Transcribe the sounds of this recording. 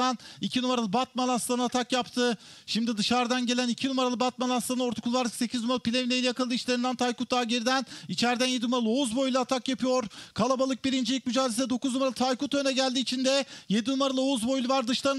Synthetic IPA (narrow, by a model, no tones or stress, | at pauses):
anicʰinumaɾalˠɯbat̪̚malˠasˠanat̪ʰakjapt̪ʰɯ | ʃimd̪id̪ɯʃaɾd̪anɟe̞lʲænicʰinumaɾalˠɯbat̪̚malˠasˠanao̞ɾt̪ʰu̥kʰulˠaɾd̪ɯkse̞cʰiznumalˠɯpʰʲilʲe̞vinejijakɯlˠd̪ɯːiʃlʲe̞ɾind̪ænt̪ʰajkut̪̚ːaːɟeɾid̪ænit͡ʃʰæɾd̪ænje̞d̪inumaɾalˠouzbo̞jlˠat̪ʰakjapʰɯjoɾkʰalˠabalˠɯk̚biɾind͡ʒilʲic̚ʲmyd͡ʒaːd̪esɛd̪o̞kuznumaɾalˠɯt̪ʰajkut̪ø̞nɛɟælʲd̪iːt͡ʃʰind̪ɛje̞d̪inumaɾalˠɯo̞uzbo̞jlˠuvaɾd̪ɯʃlˠaɾɯ